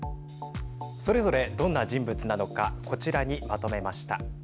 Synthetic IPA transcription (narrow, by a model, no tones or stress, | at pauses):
so̞ɾe̞zo̞ɾe̞d̪õ̞nːaʑĩmbɯ̟t͡sɨnano̞kako̞t͡ɕiɾaɲ̟imat̪o̞me̞maɕi̥t̪a